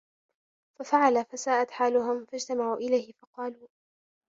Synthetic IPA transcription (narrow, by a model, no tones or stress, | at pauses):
fafaʕalafasaːʔat̪ħaːlʊɦʊmfad͡ʒt̪amaʕuːʔɪlajhɪfɑqɑːluː